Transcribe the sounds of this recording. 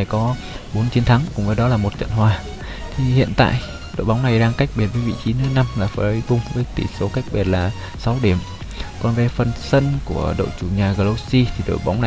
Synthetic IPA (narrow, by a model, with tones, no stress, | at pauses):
jkɔ˨˦ | ɓo˨˦nt͡ɕi˨˦ənt̪ʰa˨˦ŋkʊ̰˧˥ŋ͡mvəː˨˦jɗɔ˨˦laː˨˩mo˨˩t̚t͡ɕə̰˧˨nhwaː˨˩ | t̪ʰi˨˩hḭ˧˨ənt̪a̰ː˧˨j | ɗo̰˧˨jɓa˨˦wŋ͡mna˨˩jɗaː˧ŋka˦˥jk̟̚ɓi˨˩t̚vəː˨˦jvḭ˧˨t͡ɕi˨˦nɨ˨˦na˧mlaː˨˩fə˧˩˦jkʊ˧˩ŋ͡mvəː˨˦jt̪ḭ˧˩so˨˦ka˦˥jk̚ɓi˨˩t̚laː˨˩ | sa˨˦wɗi˧˩əm | kɔ˨˩nve˨˩fə˨˩nsə˧nku˧˩əɗə̰˧˨wt͡ɕu˧˩ɲaː˨˩ɣəː˧lo˧si˧t̪ʰi˨˩ɗo̰˧˨jɓa˨˦wŋ͡mna˨